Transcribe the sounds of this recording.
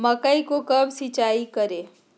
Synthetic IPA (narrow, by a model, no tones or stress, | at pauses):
məkəikokəbsit͡ʃaikəɾe